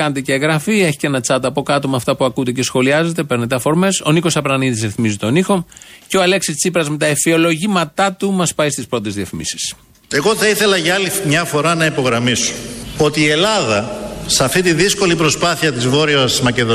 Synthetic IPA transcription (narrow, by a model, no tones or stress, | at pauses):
ɐnet̪̬eceːɣɾɐfie̞çi̥ce̞nɐt͡sɐt̪ɐpo̞kɐt̪omeɐft̪ɐpuɐkud̪ece̞sxo̞liɐze̞t̪e̞pe̞ɾne̞t̪eɐfo̞ɾme̞so̞niko̞sɐpɾɐniðisɾiθmizit̪o̞nixo̞ceoɐle̞ksist͡sipɾɐzme̞t̪ɐefio̞lo̞ʝimɐt̪ɐt̪umɐspɐist̪ispɾo̞t̪ezðiɐfimḭsi̥s | e̞ɣo̞θɐiθe̞lɐʝɐɐlimɲɐfo̞ɾɐnɐipo̞ɣɾɐmiso̥o̞t̪iːe̞lɐðɐsɐft̪it̪iðisko̞lipɾo̞spɐθiɐt̪izvo̞ɾioɐsmɐce̞ðo